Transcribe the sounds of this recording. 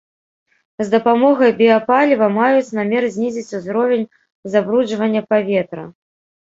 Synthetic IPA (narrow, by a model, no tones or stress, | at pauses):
zd̪ɐpamɔɣɐjbʲiapalʲivɐmajut͡sʲnamʲɛrzʲnʲizʲit͡sʲuzɾɔvʲenʲ | zabɾud͡ʐvɐnʲːɐpavʲɛt̪ɾɐ